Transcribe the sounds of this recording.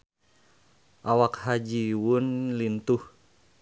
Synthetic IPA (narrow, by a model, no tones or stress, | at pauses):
ʔawakhad͡ʒiwunlint̪uh